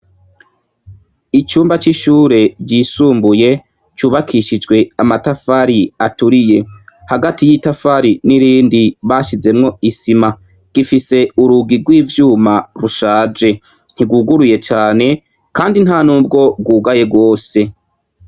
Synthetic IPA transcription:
it͡ʃuːmbat͡ʃiʃuːɾe̞ɟiːsuːmbuje̞ | t͡ʃuːβakʰiʃid͡ʒɡwe̞amatafaɾiatuɾije̞haɡatijitafaɾiniɾiːndiβaʃize̞mŋo̞isima | ɡ̥ifise̞uɾuɡiɡwiːvjuːmaɾuʃaːd͡ʒe̞ | n̥iɡuɡuɾuje̞t͡ʃaːne̞ | kaːndin̥hanuːb̚ɡo̞b̚ɡuːɡaje̞ɡo̞ːse̞

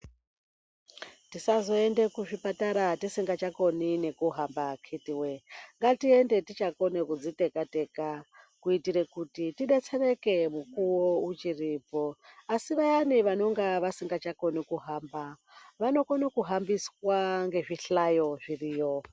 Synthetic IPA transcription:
tisazo̞e̞nde̞kuʐipataɾatisiŋɡat͡ʃako̞nine̞kuɦambakʰitiweŋɡatiende̞tit͡ʃako̞nekud͡zite̞kate̞ka | kuitiɾe̞kutitiɗe̞t͡se̞re̞ke̞mukuwout͡ʃiripo̞asiʋaniʋano̞ŋɡaʋasiŋɡat͡ʃako̞nikuɦamba | ʋano̞konokuɦambiswaŋɡe̞ʐiɬajo̞ʐiriːjo

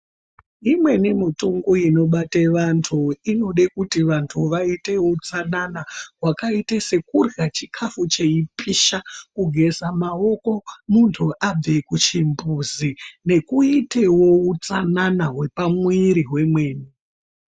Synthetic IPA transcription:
imwe̞nimituŋɡuino̞ɓateʋantʰuino̞ɗekutiʋantʰuʋaite̞wout͡sananaɦwakaitese̞kurɡat͡ʃikʰafut͡ʃe̞ipiʃakuɡʱe̞zamao̞ko̞muntʰuʔab͡vekut͡ʃimbuzine̞kuitewo̞ut͡sananaɦwe̞pamwiɾiɦwe̞mwe̞ːni

